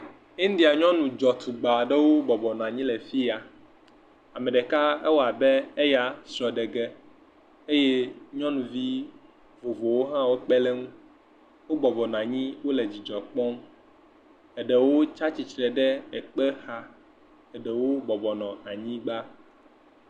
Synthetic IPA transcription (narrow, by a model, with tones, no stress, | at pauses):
i˦n˦d̪i˨a˨ɲɔ̃˦nũ˨d͡ʒɔ˨t̪u˨ɡ͡ba˨ɖɛ˦wo˦bɔ˨bɔ˨nɔ̃˨a˨ɲĩ˦lɛ˨fi˦a˨ | a˨mɛ̃˨ɖɛ˨ka˦ɛ̰˦wo˦a˨bɛ˦e˦ja˦sɾɔ˨ɖɛ˨ɡɛ˦ | e˦je˦ɲɔ̃˦nũ˨vi˦ | vo˨vo˨wo˦ɦã˦wo˦k͡pɛ˦lɛ˦ŋũ˦ | wo˦bɔ˨bɔ˨nɔ̃˨a˨ɲĩ˦wo˦lɛ˨d͡ʑi˨d͡ʒɔ˨k͡pɔ̃˦m˦ | ɛ˨ɖɛ˨wo˦t͡ʃa˦t͡ɕi˨t͡ʃɾɛ˨ɖɛ˦ɛ˨k͡pɛ˦xa˦ | ɛ˨ɖɛ˨wo˦bɔ˨bɔ˨nɔ̃˨a˨ɲĩ˦ɡ͡ba˦